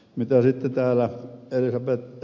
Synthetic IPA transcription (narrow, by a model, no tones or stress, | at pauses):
mit̪æsit̪ːet̪æːlæelisɑpet̪ː